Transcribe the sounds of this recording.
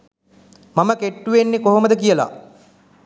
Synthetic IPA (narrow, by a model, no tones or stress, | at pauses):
maməkeʈːuʋenːekoɦoməd̪əkijəla̰